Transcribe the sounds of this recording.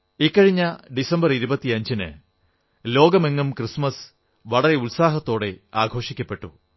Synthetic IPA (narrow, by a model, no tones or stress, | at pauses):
ikːɐɻiɲːɐɖisɐmbɐriɾubɐt̪ːiɐɲd͡ʑinɨ̰ | lo̞ːɡɐme̞ŋːɐmkrɨsmɐs | ʋɐɽɐre̞ulsaːɦɐt̪ːo̞ːɽe̞aːɡʱo̞ːʂikʲːɐpːe̞ʈːu